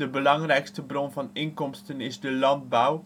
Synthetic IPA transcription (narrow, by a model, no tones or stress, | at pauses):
dəbəlɑŋrɛjkstəbrɔnvɑnɪŋkɔmstənɪzdəlɑnd̚baw